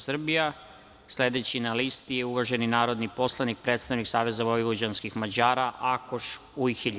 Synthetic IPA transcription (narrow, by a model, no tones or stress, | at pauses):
sr̩bija | sle̞d̪et͡ɕinalist̪ijeuʋaʒe̞ninaːɾo̞d̪nipo̞slˠanik̚pɾe̞ːt̪st̪aʋniksaːʋe̞zaʋoiʋod͡ʑanskixmad͡ʑaːɾaʔakoʃujxiʎ